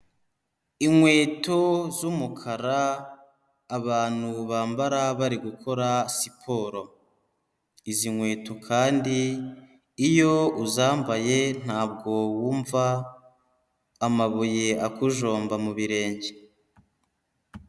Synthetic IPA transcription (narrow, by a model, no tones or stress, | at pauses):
iŋwe̞ːto̞zumukʰaɾaː | βaːn̥huβaːmbaɾaβaɾiɡukʰo̞ɾasipʰo̞ːɾo̞ | iziŋwe̞ːtʰo̞kʰaːndiː | jo̞uzaːmbaje̞n̥haːb̚ɡo̞wuːɱva | maβuje̞akuʒo̞ːmbamuβiɾe̞ːɲɟe